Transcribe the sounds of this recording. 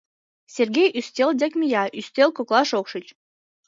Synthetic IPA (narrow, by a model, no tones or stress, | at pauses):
sʲerɡʲejʔyst̪ʲeld̪ʲĕkʲmʲijɑʔyst̪ʲelkoklˠɑʃokʃət͡ɕ